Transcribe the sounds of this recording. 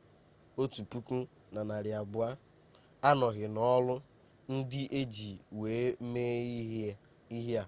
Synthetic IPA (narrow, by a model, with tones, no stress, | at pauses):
o˦tu˨pu˦ku˦ | na˨na˨ɾja˨bʊ˨˦a˦ | a˦nɔ˨ɣɪ˨nɔ˦lʊ˦ | n̩˦dɪ˦ʔe˦d͡ʒi˨we˨˦me˦i˦ | i˦ɦja˨